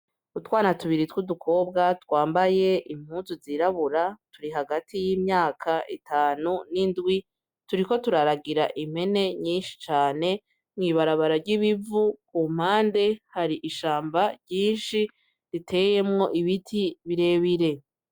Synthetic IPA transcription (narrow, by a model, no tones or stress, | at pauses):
utwaːnatuβiɾitwudukʰo̞b̚ɡatwaːmbaje̞ʔim̥huːnzuziɾaβuɾatuɾiɦaɡatʰijiːmɲaːkʰaʔitʰaːnunindɡwi | tuɾiko̞tuɾaɾaɡiɾaʔim̥he̞ne̞ɲiːnʃi̥t͡ʃaːne̞ | mŋiːβaɾaβaɾaɾɟiβivukum̥haːnde̞haɾiʔiʃaːmbaɾɟiːnʃi | ɾitʰe̞je̞mŋo̞ʔiβitʰiβiɾe̞ːβiɾe̞